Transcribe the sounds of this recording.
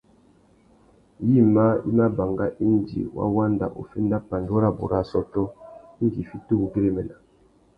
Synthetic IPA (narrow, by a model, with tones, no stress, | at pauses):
ji˦˨ma˦ḭ˦ma˦ba˨ŋɡa˦ʔi˦n˨d͡ʒḭ˨wʔa̰˦wa˦nda̰˨ʔo̰˨fe˦nda˦pa˨ndo˦ɾa˦˨bo̰˨ɾa˦˨sɔ˦tɔ˦i˦ŋɡi˨fi˦tu˦u˨ɡe˦ɾe˦mɛ˨na˨